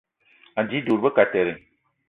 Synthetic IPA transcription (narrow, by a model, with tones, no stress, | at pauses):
a˨d͡ʒi˦du˨ɾbə˦ka˨tɛ˨ɾi˨